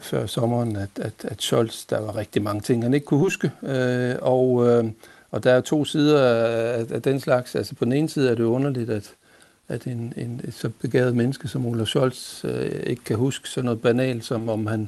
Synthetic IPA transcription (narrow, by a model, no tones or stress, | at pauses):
fɶɐ̰sɒ̽mɐnæd̥æd̥æd̥ɕɒl̰sd̥ɑʋɑ̈ʁeɡ̥̚d̥imɑ̈ŋət͡sʰe̝ŋ̰hæne̝ɡ̥kʰuhusɡ̥əøɒʊ | ɒ̽d̥æ̈æt͡sʰo̝̰ːsiːð̞ˠɐææd̥enslɑ̈ɡ̥sælsə̥pʰɒ̽d̥n̩e̝ːn̩siːð̞̩ˠæɐɾe̝joɔ̽nɐlid̥æd̥ | æd̥e̝ne̝ne̥sɒ̽b̥e̝ɡ̥ɛ̰ːð̞̩ˠmenəsɡ̥əsɒ̽molæɕɒ̽l̰se̝ɡ̥ə̥kʰæhusɡ̥ə̥sɒ̽nɔ̽ð̩ˠb̥ænɛ̰ːld̥sɒ̽mɒ̽mhæn